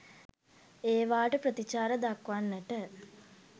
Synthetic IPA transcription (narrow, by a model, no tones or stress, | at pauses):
eːʋaːʈəprət̪it͡ʃaːɾəd̪akʋanːəʈə